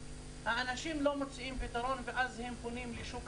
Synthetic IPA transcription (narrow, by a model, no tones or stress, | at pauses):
haanaʃimlo̞mot͡siʔimpit̪aɾo̞nveʔazhe̞mponimliʃuk